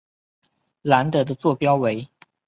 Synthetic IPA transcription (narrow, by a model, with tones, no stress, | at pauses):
la˧˥nt̪ɤ˧˥d̪ə˧t͡swɔ˥˩pjɑ˥ʊwe˧˥ɪ